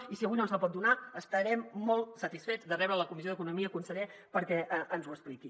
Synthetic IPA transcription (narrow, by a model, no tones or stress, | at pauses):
isiəujnonsəlpɔt̪d̪unaəst̪əɾɛmːɔlˠt̪sət̪isfed͡zðərɛβɾələkumizioðəkunumiəkunsəʎe | pəɾkɛʔənzuəspliki